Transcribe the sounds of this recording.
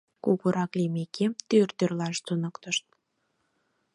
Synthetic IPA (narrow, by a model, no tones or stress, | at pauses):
kuɣuɾɑklemeket̪ørt̪ørlɑʃt̪unə̆kt̪əʃt̪̚